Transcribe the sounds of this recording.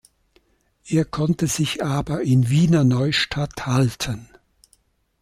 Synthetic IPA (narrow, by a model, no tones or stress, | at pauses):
ʔeːɐkʰɔntəzɪçʔaːbɐʔɪnviːnɐnɔʏʃtʰathaltʰən